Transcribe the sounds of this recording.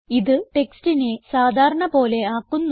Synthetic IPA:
iðɨʈe̞kstinesaːd̪ʱaːɾɐɳɐbo̞ːle̞aːkːunː

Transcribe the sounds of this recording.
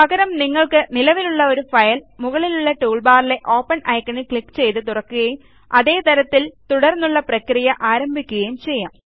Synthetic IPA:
pɐɡɐɾɐmniŋːɐɭkɨnilɐʋiluɭːɐo̞ɾufɐjɐlmuɣɐɭiluɭːɐʈuːɭbaːrile̞ʔo̞ːpːɐnɐjkːɐɳikɭikːt͡ɕe̞jt̪ɨt̪̬urɐkːuɣɐjum | ɐðe̞ːt̪ɐɾɐt̪ːilt̪uɽɐrnːuɭːɐprɐkrijɐʔaːɾɐmbʱikʲːuɣɐjumt͡ɕe̞jːaːm

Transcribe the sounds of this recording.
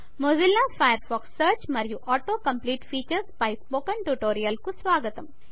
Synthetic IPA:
moːzilːãfajəɾfɔːksːəɾt͡ʃmɐɾjuʔɔːʈoːkɐmpliːʈfiːt͡ʃəɾspajspoːkəɳʈuʈoːɾijɐlkusʋaːɡət̪ɐm

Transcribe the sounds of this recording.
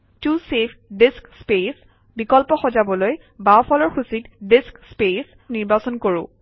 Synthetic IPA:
tusepʰdiskspes | bikɔlpɔxɔzabɔloj | baɔpʰɔlɔɹxusitdiskspes | niɹbasɔnkoɹʊ̰̃

